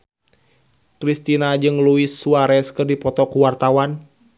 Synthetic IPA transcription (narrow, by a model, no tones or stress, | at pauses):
kɾist̪inad͡ʒɨŋluisːuaɾɛskɨrdipɔt̪ɔkuwart̪awan